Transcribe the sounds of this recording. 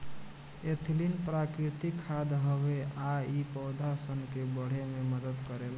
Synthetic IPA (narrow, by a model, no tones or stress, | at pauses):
et̪ʰlinpɾakɾɪt̪ikʰːad̪ɦəʋeaipəʊd̪ʱasənkebəɽ̤ememəd̪əd̪kəɾel